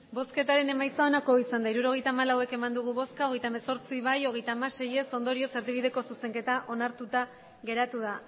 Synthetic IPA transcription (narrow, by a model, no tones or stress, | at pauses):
bo̞ske̞t̪aɾe̞ne̞majsaonako̞isand̪aiɾuɾo̞ɣ̞e̞jt̪aːmalawe̞ke̞mand̪uɣ̞uβo̞skaoɣe̞jt̪aemeso̞ɾt͡siβajo̞ɣe̞jt̪aːmase̞je̞so̞nd̪o̞ɾio̞se̞ɾðiβið̞e̞ko̞suse̞ŋke̞t̪aʔo̞naɾt̪ut̪a | ɣe̞ɾat̪uða